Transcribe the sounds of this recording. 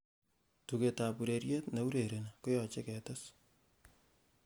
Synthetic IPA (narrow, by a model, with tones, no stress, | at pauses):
tu˨ke˨ta˨pu˨ɾe˨ɾje˦tna˨wu˦ɾe˨ɾe˨nko˦jɔ˨t͡ʃe˦kɛ˨tɔ˦s